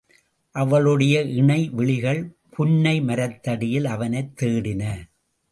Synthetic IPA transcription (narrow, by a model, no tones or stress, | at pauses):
ʔɐʋɐɭɯɽɐjɐʔɪɳɐɪʋɪɭɪɣɐɭ | pʰʊnːɐɪmɐɾɐt̪ːɐɽɪjɪlɐʋɐnɐɪt̪ːeːɽɪnɐ